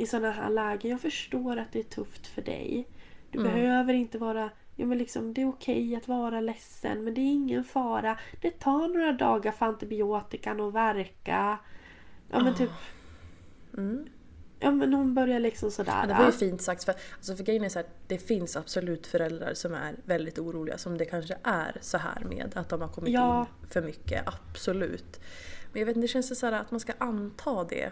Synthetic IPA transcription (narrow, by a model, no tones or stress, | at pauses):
ɪsɔnːaɦæ̰ːɭɛːɡəjɑːɡfœʂʈoːɾat̪̚d̪ɛæʈʰɵft̪fœɖɛ̰jd̪̥ɵbɛɦøːvəɾɪnt̪əvɑːɾajɑ̰ːmɛnlɪksɔ̰md̪ɛːɾʊkʰɛjat̪vɑːɾalɛsːə̰nmɛnd̪ɛːɾɪŋːənfɑːɾad̪̥ɛt̪ʰɑːɳoːɾad̪ɑ̰ːɡaɾfant̪ɪbɪoːt̪ɪkanovæɾka | jʔɑ̰ːmɛnt̪ʰyːp | jɑːmɛnːhʊnbœɾjaɭɪksɔmsɔd̪æ̰ːɾd̪ɛvɔɾjəfiːnt̪sak̚t̪sfœalsɔfœɡɾɛjːənɛsɔæːd̪̥ɛfɪnsab̥sɔlʉ̟ːt̪fœɾɛld̪ɾa̰ɾsɔmæ̰ɾvɛld̪ɪt̪uːɾuːlɪɡa̰sɔmd̪ɛkʰanʂəʔæ̰ɾsɔɦæ̰ːɾmḛːd̪at̪̚d̪ɔmhaɾkʰɔmːɪj̪ɑnːfœɾmʏkːə̰ʔab̥sɔlʉ̟̰ːt̪mɛnjaveːt̪ɛɕɛnsd̪ɛsæːɾa̰ːt̪manskaʔant̪ʰɑːd̪ɛ̰